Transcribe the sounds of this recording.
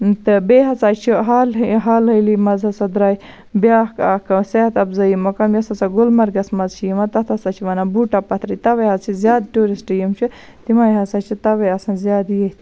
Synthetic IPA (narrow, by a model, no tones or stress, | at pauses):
t̪ɨbeːɦɐt͡saːt͡ʃʰiɦaːlɦaːlɦɐlimɐzɐsɐd̪ɾaːj | bjaːhkaːkɐseːt̪ɐbzɐjimɐkɐmjɐsɐsaɡulmɐɾɡɐsmɐzt͡ʃʰijimɐt̪ɐt̪ʰɐsat͡ʃʰiʋɐnabuːʈapɐt̪ʰɾit̪ɐʋɐjɦɐzt͡ʃʰizʲjaːd̪̚ʈuːɾisʈijimt͡ʃʰi | t̪imaːjɦɐsat͡ʃʰit̪ɐʋɐjɐsɐ̃nzʲjaːd̪ijɐt̪